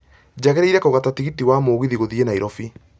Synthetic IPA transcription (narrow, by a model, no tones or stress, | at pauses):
d͡ʑaɣɛɾeiɾɛkoɣatatiɣitiwamoːɣiðiɣoðienaiɾɔfi